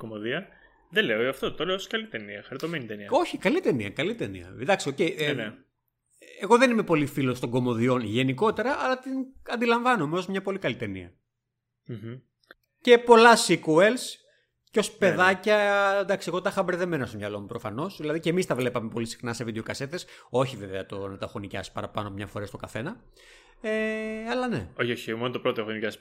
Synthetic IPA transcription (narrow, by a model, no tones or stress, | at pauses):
komoðiɐ | ðeleoiɐft̪ot̪oleoskɐlit̪eniɐxɐɾit̪o̞menit̪eniɐo̞çikɐlit̪enḭɐ̰kɐlit̪enḭɐ̰d̪ɐksio̞cejne | eɣo̞ðe̞nime̞po̞lifilo̞st̪o̞ŋɡo̞mo̞ðio̞nʝe̞niko̞t̪e̞ɾɐʔɐlɐt̪inɐnd̪ilɐɱvɐnomeo̞zmɲɐpo̞likɐlit̪e̞nḭɐ̰ | ce̞po̞lɐsikuels | ceo̞spe̞ðɐcɐnd̪ɐksiɣot̪ɐxɐbɾeðe̞me̞nɐst̪omɲɐlo̞mupɾo̞fɐno̞sðilɐðicemist̪ɐvle̞pɐmepo̞lisi̥xnɐse̞vid̪eo̞kɐse̞t̪e̞so̞çiveveɐt̪o̞nɐt̪ɐxonicɐ̰si̥pɐ̰ɾɐpɐnoɐmɲɐfo̞ɾest̪kɐθenɐ | eɐlɐne̞̰oçoçimonot̪opɾot̪oexonicɐs